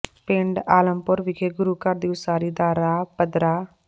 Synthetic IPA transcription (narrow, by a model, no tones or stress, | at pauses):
peɳɖaːləmpʊɾʋikʰeɡʊɾukɐɾd̪iũsaːɾiːd̪aːɾaːpɐd̪ɾaː